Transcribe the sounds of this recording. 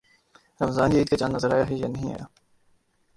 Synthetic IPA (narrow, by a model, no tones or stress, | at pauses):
ɾɐmzaːnjeiːd̪̚kat͡ʃãːnːɐzəɾaːjaːɦejḛnɐɦĩa̰ːja̰ː